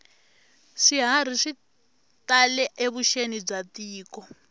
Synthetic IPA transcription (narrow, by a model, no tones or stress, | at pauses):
ʂiɦaɾ̤iʂi | talɛʔeβuʃenib͡ʐatiːkɔ